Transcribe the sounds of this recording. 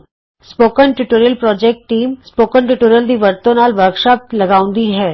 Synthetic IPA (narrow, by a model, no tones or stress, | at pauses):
spoːkənʈuʈoːɾjəlpɾɔːd͡ʒɛːk̚ʈːiːmspoːkəɳʈuʈoːɾijəld̪iʋɐɾt̪õnaːlʋəɾkʃaːp̚t̪lɐɡaːʊ̃nd̪iɦɛː